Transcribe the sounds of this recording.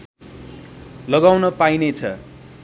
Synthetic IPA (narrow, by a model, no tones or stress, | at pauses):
lʌɡawnʌpainet͡sʰʌ̰